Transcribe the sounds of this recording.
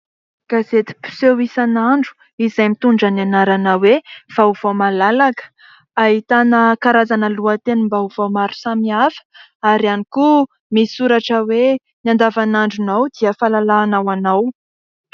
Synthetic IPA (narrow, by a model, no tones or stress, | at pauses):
ɡ̥azet̪i̥pi̥sewisanaɳɖ͡ʐu̥ | izajmit̪uɳɖ͡ʐananaɾanawev̥auv̥amalalakə̥ | aɦit̪anəkaɾazanəluət̪enəmbauvawmaɾu̥samiafə̥ | aɾianiku | misuɾaʈ͡ʂəwe | nand̪avanaɳɖ͡ʐunawd̪̥iəfalalaːnawanaw